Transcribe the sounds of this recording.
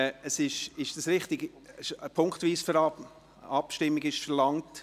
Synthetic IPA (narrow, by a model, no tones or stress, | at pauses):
əsɪʃɪʃd̥ɑsɾɪχtɪɡ | ɛʃpʰʊŋkχtviːsfəɾɑ | ɑpʃtɪmːɪɡɪʃfɛɾlɑŋt